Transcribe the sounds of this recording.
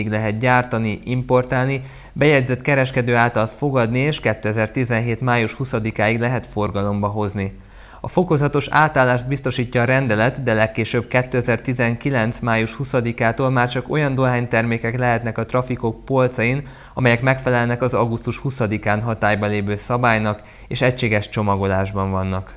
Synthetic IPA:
iɡlɛɦɛt̪ɟaːrt̪ɒniʔimpo̞rt̪aːlni | bɛjɛɟzɛt̪kɛɾɛʃkɛd̪øːaːlt̪ɒlfo̞ɡɒd̪nieːʃkɛt̪ːøːɛzɛrt̪izɛnɦeːt̪maːjuʃhusɒd̪ikaːiɡlɛɦɛt̪fo̞rɡɒlo̞mbɒɦo̞zni | ɒfo̞ko̞zɒt̪o̞ʃa̰ːt̪aːlːaːʃt̪̚bist̪o̞ʃiːcːɒːɾɛnd̪ɛlɛt̪d̪ɛlɛkːeːʃøːb̚kɛt̪ːøːɛzɛrt̪izɛŋkilɛnt̪smaːjuʃhusɒd̪ikaːt̪oːlmaːrt͡ʃɒko̞̰jɒnd̪o̞ɦaːɲt̪ɛrmeːkɛklɛɦɛt̪nɛkɒt̪rɒfiko̞k̚po̞lt̪sɒjin | ɒmɛjɛkmɛkfɛlɛlnɛkɒzɒɡust̪uʃhusɒd̪ikaːnɦɒt̪aːjbɒleːvøːsɒbaːjnɒk | eːʃɛcʃeːɡɛʃt͡ʃo̞mɒɡo̞laːʒbɒɱvɒnːɒk

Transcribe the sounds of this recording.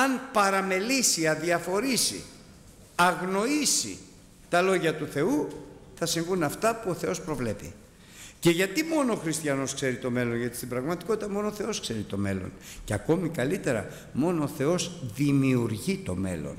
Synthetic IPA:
ɐnpɐɾɐme̞lisiɐðiɐfo̞ɾisḭ | ɐɣno̞isḭ | t̪ɐlo̞ʝɐt̪uθe̞uθɐsiŋɣunɐft̪ɐpuoθe̞o̞spɾo̞vle̞pḭ | ce̞ʝɐt̪imo̞noːxɾist̪jɐno̞skse̞ɾit̪o̞me̞lo̞nʝɐt̪i̥st̪ibɾɐɣmɐt̪iko̞t̪it̪ɐmo̞nooθe̞o̞skse̞ɾit̪o̞me̞lo̞̰nceɐko̞mikɐlit̪e̞ɾɐ̰ | mo̞noːθe̞o̞zðimiuɾʝit̪o̞̰me̞̰lo̞̰n

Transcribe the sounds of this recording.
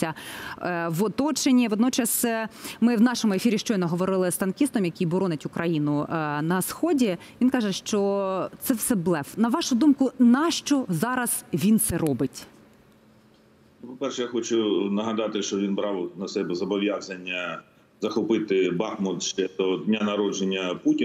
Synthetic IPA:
sʲːɐ | ʋɔt̪ɔt͡ʃenʲiʋɔd̪nɔt͡ʃɐsɛmɪwnɑʃɔmʊefʲiɾʲiʃt͡ʃɔjnɔɦɔʋɔɾɪlˠɪst̪ɐnkʲist̪ɔmjɐkʲijbɔɾɔnetʲʊkɾʔɐjinʊnɐsxɔdʲiʋʲinkɑʒɛʃt͡ʃɔt̪sɛwsɛblˠɛʋnɐʋɑʃʊd̪umkʊnɐʃt͡ʃɔzɑɾɐz̥ʋʲint̪sɛɾɔbɪtʲ | pɔpɛrʃɛjaxɔt͡ʃʊnɐɦɐd̪ɑt̪ɪʃt͡ʃɔʋʲinbɾɑwnɐsɛbɛzɐbɔʋʲjazɐnʲːɐ | zɐxɔpɪt̪ɪbɑxmʊt̪ʃt͡ʃɛd̪ɔd̪ʲnʲanɐɾɔd͡ʒenʲːɐputʲi

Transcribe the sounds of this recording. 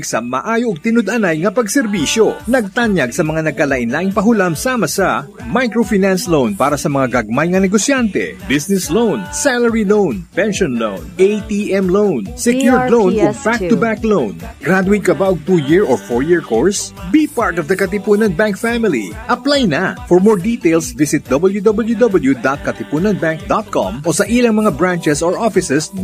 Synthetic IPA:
ɡsɐmɐ̰ʔaːjoʔɐɡ̚t̪ɪnod̪ʔɐnajŋɐpɐɡsɛɾbiːʃonɐɡ̚t̪anjaɡsɐmɐŋanɐɡ̚kɐlaʔɪnlaʔɪŋpɐɦʊlamsaːmɐsɐ | majkɹofinanslownpaːɾɐsɐmɐŋaɡɐɡ̚majŋɐnɛɡosjant̪ɛ̰bɪsnɛslownsalɐɹilownpɛnʃonlo̰wnʔejt̪iʔɛmlownsɛkjuɹd̪lownɔfak̚t̪ːʊbaklownɡɾad̪ʊwɪnkɐbaʔoɡt̪uːjiɹɔɹfɔɹjiɹkoɹsbipaɹt̪ɔvd̪ɐkɐt̪ɪpunɐnbaŋk̚famɪlḭʔɐplajnɐfɔɹmoɹd̪iːt̪ejlsvɪsɪt̪̚d̪obɐljud̪obɐljud̪obɐljud̪at̪̚kɐt̪ɪpuːnɐnbaŋk̚d̪ot̪̚kɔ̰̃mʔosɐʔilɐŋmɐŋabɹãnt͡ʃɛsɔɹʔofɪsɛs

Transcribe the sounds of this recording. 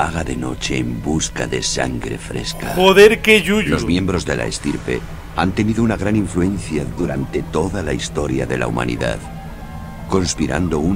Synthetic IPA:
aɣaðe̞no̞̰t͡ʃe̞ːmbuska̰ðe̞sa̰ŋɡɾe̞fɾe̞̰ska̰poðeɾkeʎulo̞zmjẽ̞mbɾo̞zðe̞lʔa̰est̪iɾpe̞̰ | ant̪e̞niðounaɣ̞ɾaniɱfluẽ̞nθjaðuɾant̪e̞t̪o̞ðalaist̪o̞ɾjaðe̞lʔa̰umã̰nʔḭða̰ð | ko̞nspiɾa̰nd̪o̞u

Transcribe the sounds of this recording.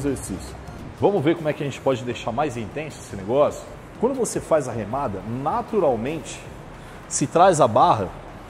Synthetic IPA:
ezeɾsisjʊ | vɐ̃mʊveɾkomʊɛkɪɐʒẽnt͡ʃɪ̥pɔd͡ʒɪd̪ejʃaɾmajzĩnt̪ẽsʊesɪneɡɔsjʊ̥ | kwɐ̃nd̪ʊvosefajzɐɦemad̪ɐnat̪uɾawmẽnt͡ʃɪ̥ | sɪt̪ɾajzɐbaɦɐ

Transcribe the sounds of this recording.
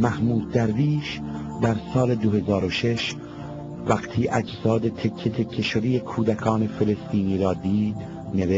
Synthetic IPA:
mæhmuːd̪̚ːæɾviːʃ | d̪æɾsɒːle̞d̪ohe̞zɒːɾoʃe̞ʃ | væqt̪ʰiːʔæd͡ʒzɒːd̪et̪ʰecʰːet̪ʰe̞kʰːeʃod̪ijekʰuːd̪ækʰɒːne̞fe̞le̞st̪iːniːɾɒːd̪iːd̪ | ne̞ve

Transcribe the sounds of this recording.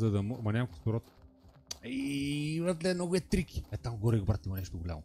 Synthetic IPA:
zɐd̪ɐmmɐnʲamko̥st̪ʊɾɔt̪ | ivət̪lɛnɔɡʊɛt̪ɾikʲi̥ɛt̪amɡɔɾiɡbɾat̪imɐnɛʃt̪oɡʊlʲa̰mʊ

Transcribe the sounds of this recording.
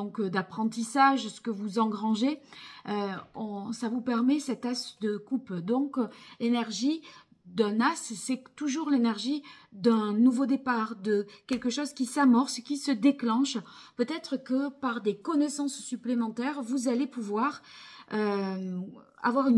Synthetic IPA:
d̪ɔ̃kd̪apχɑ̃t̪isaʒsə̥kəvuzɑ̃ɡʁɑ̃ʒeøɔ̃savupɛʁmɛsɛt̪asd̪əkupd̪ɔ̃klenɛʁʒi | d̪ɛ̃nassɛt̪uʒuʁlenɛʁʒid̪ɛ̃nuvod̪epaʁd̪əkʲɛlkəʃɔzkʲisamɔʁskʲisəd̪eklɑ̃ʃpøt̪ɛt̪χəkəpaʁd̪ekɔnesɑ̃ssyplemɑ̃t̪ɛʁvuzalepuvwaʁø | a̰vwaʁyn

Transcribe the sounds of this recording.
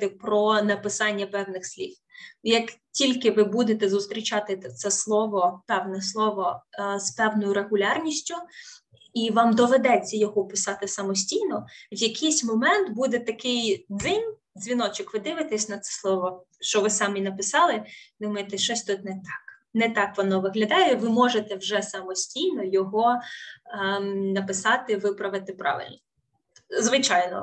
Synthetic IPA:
t̪ɪpɾɔnɐpɪsɑnʲːɐpɛwnɪxsʲlʲif | jɐktʲilʲkɪʋɪbud̪et̪ɛzʊst̪ɾʲit͡ʃɑt̪ɪt̪sɛslˠɔʋɔpɛwnɛslˠɔʋɔspɛwnɔjʊɾeɦʊlʲɑrnʲisʲtʲʊ | iʋɑmd̪ɔʋed̪ɛt͡sʲːɐjɔɦɔpɪsɑt̪ɪsɐmɔsʲtʲijnɔʋjɐkʰʲɪjsʲmɔmɛnt̪bud̪ɛt̪ɐkɪjd̪zɪnʲ | zʲʋʲinɔt͡ʃɪkʋɪd̪ɪʋɪt̪ɛsʲnɐt̪sɛ̥slˠɔʋɔ | ʃt͡ʃɔʋɪsɑminɐpɪsɑlˠɪd̪ʊmɔɪt̪ɛʃt͡ʃɔsʲt̪ut̪ʲnɛt̪ɑk | nɛt̪ɑkʋɔnɔʋɪɦlʲɐd̪ɑjɛʋɪmɔʒet̪ɛwʒɛsɐmɔsʲtʲijnɔjɔɦɔ | nɐpɪsɑt̪ɪʋɪpɾɐʋɪt̪ɪpɾɑ̰ʋɪ̰lʲnɔ | zʋɪt͡ʃɑjnɔ̰

